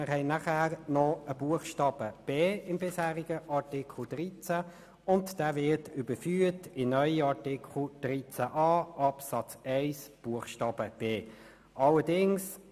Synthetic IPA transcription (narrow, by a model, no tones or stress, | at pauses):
ɪʁɦɛɪnæχæːʁnɔəb̥uəχʃtɑːb̥əb̥eːɪmbɪshæːʁiɡəʔɑʁtɪkʰl̩d̥ʁit͡sæ | ʊntd̥æːvɪtybəfyːətɪnœʏiɑtɪkʰχl̩d̥ɾit͡sæʔɑːʔɑpsɑt͡sɛɪsb̥uəχʃtɑːb̥əb̥eː | ʔɑlədɪŋs